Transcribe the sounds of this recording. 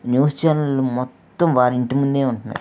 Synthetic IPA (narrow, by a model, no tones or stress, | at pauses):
njuːst͡ʃaːnɐlumɔt̪ːɐmʋaːɾiɳʈimund̪eːuɳʈunːa̰ːɾ